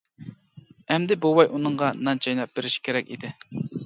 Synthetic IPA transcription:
ɛmd̪ɪbuwɑjʔunɨɴʁɑnɑnt͡ʃʰɑjnɑp̚beɾɪʃi̥kʲʰeɾɛkʲḭd̪ɪ

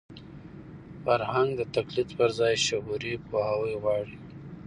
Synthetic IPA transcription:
faɾhaŋɡd̪ət̪aklit̪pəɾzɑjʃʊɦuɾipohawəjɣwɑɽi

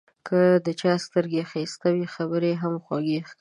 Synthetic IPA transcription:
kʰəd̪ət͡ʃɑst̪əɾɡexist̪awixabəɾeɦamxwaɡex

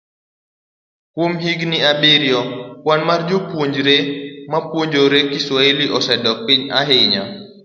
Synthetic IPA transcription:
kwomɦiɡniabeɾjɔkwanmard͡ʒopwoɲd͡ʒɾemapwoɲd͡ʒoɾekiswaeliʔɔsɛdɔk̚piɲaɦeɲa

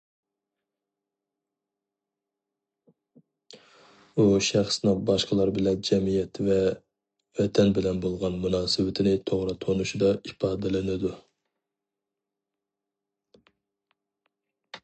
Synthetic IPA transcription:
uʃæχsnɨŋbɑʃqəlˠɑɾbɪlɛnd͡ʒɛmijɛt̪ʰvɛ | wɛt̪ʰɛnbɪlɛnbolˠʁɑnmunɑːsɨwɪt̪ʰɪnɪt̪ʰoʁɾɑt̪ʰonuʃid̪ɑipʰɑːd̪ɛlɪnɪd̪u

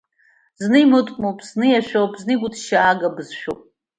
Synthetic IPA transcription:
znɨimɨtʷʼmowpʼʰz̥nɨjaʃʷᶣowpʰʼznɨɡʷʊtʰʃaːɡabɨzʃᶣo̰pʼ

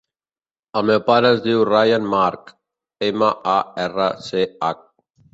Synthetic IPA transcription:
əlmewpaɾəzd̪iwrajanmaɾk | emaaɛrəseak̚

